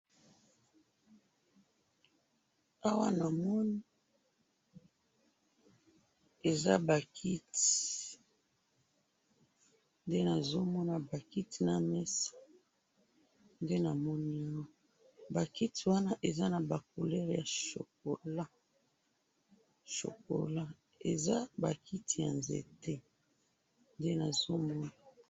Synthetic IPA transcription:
a˦wa˦na˨mɔ˦ni˦ | e˨za̰˦ba˨kʰi˦ti | nde˦na˨zo˦mɔ˦na˦ba˨ki˦ti˨na˨mɛ˦sḁ˨ | nde˦na˨mɔ˦ni˦jɔ˦ | ba˨ki˦ti˨wa˦na˦ʔe˨za˦na˨ba˨k̚o˨lɛ˦ʁja˨ʃo̰˨k̚o˨la˦ | ʃo̰˨ko̰˨la˦ | e˨za˦ba˨ki˦ti˨ja˨nzḛ˨te˦ | nde˦na˨zo˦mɔ˦na˦˨˦

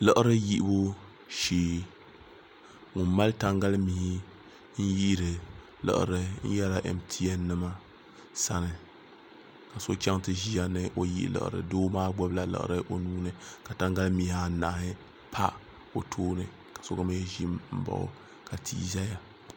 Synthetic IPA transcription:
lɨ˦ʔɾɨ˦ji˦ʔbo˦ | ʃeː˨ | ŋʊ˨mma˦lta˦ŋɡa˦lmi˨hi˦ | n̩˦ji˦ɾɨ˨ | lɨ̰˨ʔɨ̰˨ɾɨ˦n̩˦jɛ˦la˨ʔɛ̰˨mtʰi˦ɛ˦nɨ˦ma˦ | sa˦nɨ˨ | ka˨so˦kʲɛ˦ŋtɨ˦ʒi˦a˦nɨ˨ʔo˨jḭ˦ʔlɨ̰˨ʔɨ̰˨ɾɨ̰˨doː˦maː˦ɡ͡bɔ˦bla˦lɨ̰˨ʔɨ̰˨ɾɨ˦ʔo˦nuː˦nɨ˨ka˨ta˦ŋɡa˦lmi˨ha˦na˨ʔhɪ˦ | pʰa˦ | o˨tʰoː˦nɨ˨ | kḁ˨so˦ɡa˦ma˦jɛ˦ʒi˦mm̩˦ba̰˨ʔʊ̰˨ | ka˨tʰḭː˦za˦ja˦

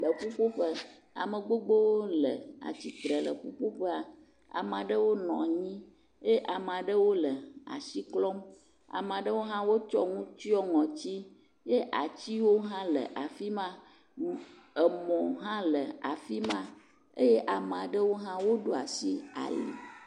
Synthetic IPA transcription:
lə˨ɸu˦ɸo˦ɸə˦ | a̰˨mə˨ɡ͡bo˦ɡ͡bo˦wo˦lə˨a̰˨t͡ɕi˦t̪ɾə˨lə̰˨ɸu˦ɸo˦ɸə˦a˨ | a̰˨m˨a˨ɖə˦wo˦nɔ̰̃˨ɲĩ˦ | je˦ʔa˨mə˨a˨ɖə˦wo˦lə˨a̰˨si˦klɔ˦m | a̰˨m˨a˨ɖə˦wo˦ɦã˦wo˦t͡ʃɔ˦ŋũ˦t͡ɕi˦ɔ˦ŋɔ̃˨t͡ɕi˦ | je˦ʔa˨t͡ɕi˦wo˦ɦã˦lə̰˨ʔa˨fi˦mã˦ | ə˨mɔ̃˨ɦã˦lə˨a˨fi˦mã˦ | ḛ˦je˦ʔa˨mə˨a˨ɖə˦wo˦ɦã˦wo˦ɖo˦a˨si˦a̰˨lḭ˨

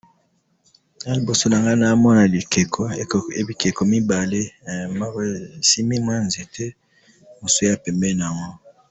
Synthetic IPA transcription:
a˦li˨bo˨so˦na˨ŋɡa˦na˨˦mɔ˦na˨li˨ke˨kʰo˨e˨bi˨ke˨ko˨mi˦ba˨le˦˨ma˦˨si˦mi˦m˦a˦nze˨tʰɛ˦ | mo˨so˦ja˨pɛ˨mbɛ˦n˨a˨ŋɡɔ˦

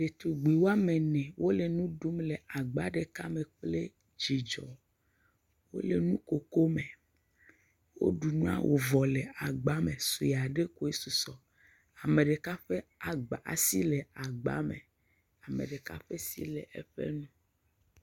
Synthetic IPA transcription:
ɖe˨t̪u˨ɡ͡bi˨wo˦a˦mẽ˨nɛ̃˨wʔo˦le˨nũ˦ɖu˦mle˨ʔa˨ɡ͡ba˦ɖe˨ka˦me˨k͡ple˦ | d͡ʒi˨d͡ʒɔ˨ | wo˦le˨nũ˦ko˨ko˦me˨ | wo̰˦ɖu˨nũ˦a̰˨wʔo̰˨vɔ˨le˨a˨ɡ͡ba˦me˨su˨ja˨ɖe˦ko˦e˦su˨sɔ˨ | a˨me˨ɖe˨ka˦ɸe˦a˨ɡ͡ba˨a̰˨si˦le˨a˨ɡ͡ba̰˨˦mḛ̃˨ | a˨mḛ˨ɖe˨ka̰˦ɸe˦sḭ˦le˨ḛ˦ɸḛ˦nũ˦

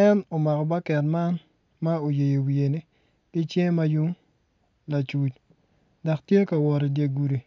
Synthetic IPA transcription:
ɛ˦no˨ma˨kɔ˨ba˦kɛ˨nma˦n | ma˦o˨je˨jo˨wi˨e˨ni˦ | kɪ˦t͡ʃje˦ma˦ju˦ŋ | la˨t͡ʃu˨t͡ʃ | da˨ktje˦ka˨wɔ˨ɾe˨dje˨ɡu˨ɾi˨

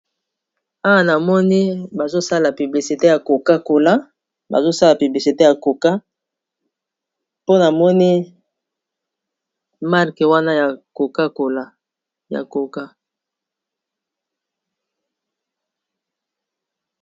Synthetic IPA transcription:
a˦wa˦˨na˨mɔ˦ni˦ba˨zo˦sa˦la˨py˨bli˨si˨te˦ja˨ko˨ka˦ko˨la˦ | ba̰˨zo˦sa˦la˨py˨bli˨si˨te˦ja˨ko˨ka˦ | po˦na˨mɔ˦ni˦ | ma˦ʁke˨wa˦na˦ja˨ko˨ka˦ko˨la˦ | ja̰˨ko˨ka˦

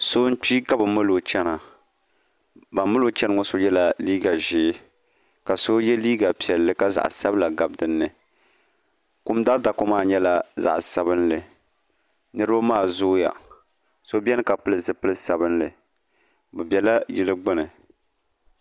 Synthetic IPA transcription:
so˦n̩˦t͡ʃi˦ɡa˦bɨ˨mɨ˦lo˨t͡ʃɛ˦na˨ | ba˨mɨ˦lo˦t͡ʃɛ˦nɨ˨ŋɔ˦so˦jɛ˦la˨liː˦ɡa˨ʒɪ˦ | ka˨so˦jɛ˦liː˦ɡa˨pi˨ɛ˨lːɨ˦ka˦za̰˨ʔsa˦bla˨ɡa˨bdɨ˦nːɨ˨ | ku˦mda˦da˨ko˦maː˦˨ɲɛ˦la˨za̰˨ʔsa˨bɨ˦nlɨ˨ | nɨ˦ɾɨ˦ba˦maː˦˨zʊ˦ja̰˨ | so˦bʲɛ˦nɨ˦ka˨pɨ˦lɨ˦zɨ˨pɨ˦lɨ˦sa˨bɨ˦nlɨ˨ | bɨ˨bʲɛ˨la˦jɪ˦lɨ˦ɡ͡bɨ˦nɨ˨

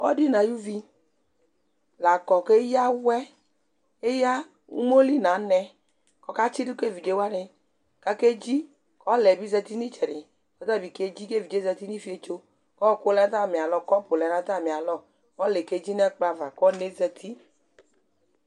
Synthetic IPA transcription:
ɔ˦di˦na˨ju˦vi˧ | la˨kɔ˨ke˦ja˦wɛ˦ | e˦ja˦ | ṵ˦mo˦li˦˨na˨˦nɛ˧ | kɔ˧˦ka˦t͡ʃi˦di˦ke˦˨vi˨d͡ʒe˨˦wa˦nɪ˧ | ka˧ke˦d͡ʒi˦ | kɔ˦lɛ˨bi˦zɛ˧ti˦ni˦t͡ʃɛ˨ɾi˨ | kɔ˦ta˦˨bi˨ke˧˦d͡ʒi˦ke˦˨vi˨d͡ʒe˨˦zɛ˧ti˦ni˦fi˦e˧t͡ʃo˧ | kɔ˦˨ko˦lɛ˧˦ta˦˨mi˨a˨lɔ˧kɔ˦pu˨lɛ˨na˧˦ta˦˨mi˨a˨lɔ˦ | kɔ˦le˨ke˧d͡ʒi˦nɛ˦k͡pa˧va˨kɔ˦ne˨˦zɛ˧tʰi˦

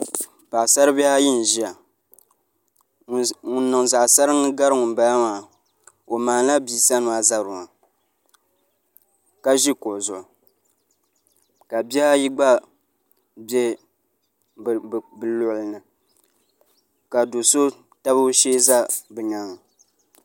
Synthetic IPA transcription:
pa˨sa˦ɾɨ˦bi˦a˦ji˦n˨ʒi˦a˨ | ŋʊ˨nː˦ɨ˨ŋza˨ʔsa˦ɾɨ˦ŋɨ˦ɡa˦ɾɨ˦ŋʊ˨n˨ba˦ja˦maː˨ | o˨maː˨˦la˦biː˨sa˦nʊ˨a˨za˨ɾʊ˨ŋa˨ | ka˦ʒi˦kʊ˨ʔzʊ˨ʔʊ˨ | ka˨bi˦a˦ji˦ɡ͡ba˦ | bjɛ˦˨ | bɨ˨lʊ˨ʔlnɨ˨ | ka˨do˨so˦ | ta˦bɨ˦ʃeː˦za˦bɨ˨ɲa˨ŋ˨

